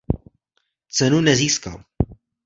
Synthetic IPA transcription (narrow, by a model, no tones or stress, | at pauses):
t͡sɛnunɛziːska̰l